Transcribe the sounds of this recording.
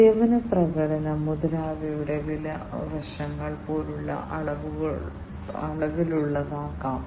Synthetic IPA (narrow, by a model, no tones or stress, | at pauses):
eːʋɐnɐprɐɣɐɽɐnɐmuðɐlaːʋɐjuɽeʋilɐʋɐʂɐŋːɐɭpoːɾuɭːɐ̰ʔɐɭɐʋuɣɐ | ɐɭɐʋiluɭːɐðaːkːaːm